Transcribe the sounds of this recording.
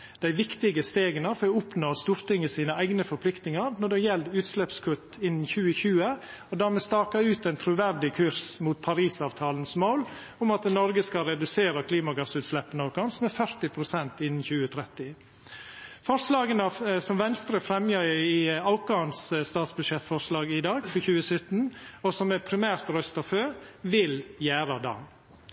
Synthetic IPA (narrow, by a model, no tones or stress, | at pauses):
d̪̥æɪʋɪkt̪ɪɡəst̪eːɡənɑfɔɾɔʊpnoːst̪uːɾt̪ɪŋːəsiːnəæɪɡnəfɔɾpʰlɪkt̪nɪŋɑɾnɔɖɛjɛld̪ʉːt̪slɛpskʰʉt̪ːɪnːn̩çʉːəçʉːə | ɔd̪æːɾmɛst̪ɑːkɑʉːt̪æɪnt̪ʰɾʉʋæɾɖɪkʰʉɾsmuːt̪̚pʰɑɾiːsɑːʋt̪ʰɑːlənsmoːl | ʊmɑt̪̚nɔɾɡəskɑɾɛd̪ʉseːɾəkʰliːmɑɡɑsʉːt̪slɛpːənɑkɑnsmɛfœɾt̪ɪpʰɾʊsɛnt̪ɪnːn̩çʉːət̪ʰɾɛt̪ɪ | fɔɾʂlɑːɡənɑsɔmʋɛnst̪ɾəfɾɛmjəɾɪɑʊkɑːnsst̪ɑːt̪sbʉʂɛt̪fɔɾʂlɑːɡɪd̪ɑːɡfɔçʉːəsœt̪n̩ɔsɔmæpʰɾɪmæːɾt̪ɾœst̪ɑføːʋɪljæːɾɑd̪ɑ̰ː